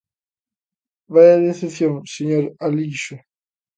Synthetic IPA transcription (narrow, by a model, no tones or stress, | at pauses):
bajaðeθeθjõŋseɲoɾaliʃʊ